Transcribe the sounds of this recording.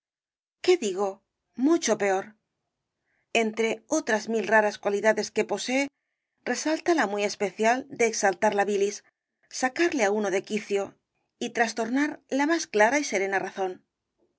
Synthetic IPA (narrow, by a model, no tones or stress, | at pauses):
ke̞ðiɣ̞o̞ | mut͡ʃo̞pe̞o̞ɾ | e̞nt̪ɾe̞o̞t̪ɾazmilraɾaskwaliðaðe̞ske̞po̞se̞ː | re̞salt̪alamwie̞spe̞θjald̪e̞ːksalt̪aɾlaβilisː | akaɾleauno̞ðe̞kiθjo̞ | it̪ɾast̪o̞ɾnaɾlamasklaɾaise̞ɾe̞naraθo̞n